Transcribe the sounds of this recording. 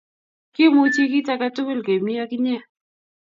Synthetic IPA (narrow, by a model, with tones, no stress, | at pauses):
kɪ˦mʊ˦t͡ʃi˦kɪ˦ta˦ka˦tʊ˦kɪ˦lɡe˨mi˦a˦kɲɛ˦